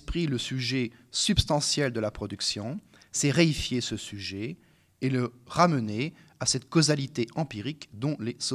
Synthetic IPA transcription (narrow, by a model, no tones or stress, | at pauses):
pχiləsyʒɛsybst̪ɑ̃sjɛld̪əlapχɔd̪yksjɔ̃ | sɛʁeifjesəsyʒɛː | ləʁaməne | asɛt̪kozalit̪eɑ̃piʁikd̪ɔ̃les